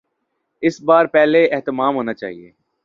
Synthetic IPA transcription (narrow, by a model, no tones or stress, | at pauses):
ɪsbaːɾpɛːleɛɦt̪əmaːmɦoːnat͡ʃa̰ːɦiḛː